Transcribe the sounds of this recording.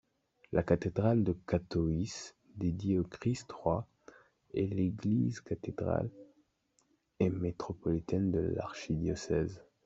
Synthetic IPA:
lʔakat̪ed̪ʁald̪əkat̪ɔis | d̪ed̪jeokχist̪χwa | ɛleɡlizkat̪ed̪ʁa̰l | emet̪χɔpɔlit̪ɛnd̪əla̰ʁʃid̪jɔsɛz

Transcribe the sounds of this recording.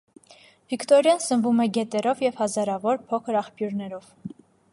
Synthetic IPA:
vikʰt̪ɔɾjɑnsənvumɛɡɛt̪ɛɾɔvjɛv̥hɑzɑɾɑvɔɾpʰɔkʰəɾɑχpʰjuɾnɛɾɔv̥

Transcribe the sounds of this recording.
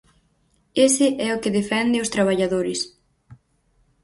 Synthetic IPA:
esɪʔɛʊkɪðefɛnd̪ɪʊst̪ɾaβ̞aʎaðoɾɪs

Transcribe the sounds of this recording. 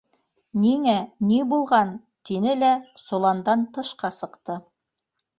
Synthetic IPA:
niŋænibulˠʁɑn | t̪inɘlæsŏlˠɑnd̪ɑnt̪ɤ̆ʃqɑsɤ̆qt̪ɤ

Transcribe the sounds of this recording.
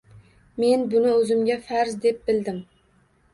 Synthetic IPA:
me̞nbʊnɪɵzɪmɡʲafaɾzd̪ep̚bɪld̪ɪm

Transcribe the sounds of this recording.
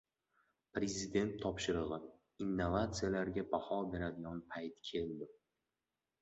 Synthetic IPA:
pɾe̞zʲɪd̪e̞nt̪ʰːɒpʃɪɾɨʁɨ | inːovat̪sɨjalaɾɡʲabahɒbe̞ɾad̪ɪɡʲɒnpʰajt̪kʲʰe̞ld̪ɪ

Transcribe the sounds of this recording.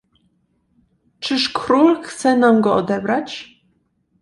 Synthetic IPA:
t͡ʂɘʂkɾulxt̪sɛnamɡɔɔd̪ɛbɾat͡ɕ

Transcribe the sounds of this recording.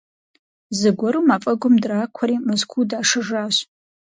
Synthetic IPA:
zɨɡʷɔɾumafʼɐɡʷʊmdraːkʷʰɐɾimɨzkʷʰudaːʂɨʐaːɕ

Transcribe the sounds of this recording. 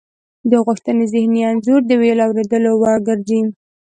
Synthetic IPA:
d̪əɣʊxt̪ənezɪhnijɑnzoɾd̪əwelɑwɾed̪əlowɑɾɡəɾd͡ʒim

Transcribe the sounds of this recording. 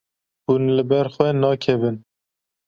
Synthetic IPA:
hunlɨbɛɾxwɛnɑːkʰɛvɨn

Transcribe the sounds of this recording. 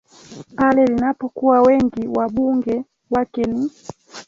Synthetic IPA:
palɛlinapɔkuwawɛŋɡiwaɓuŋɡɛ | wakɛni

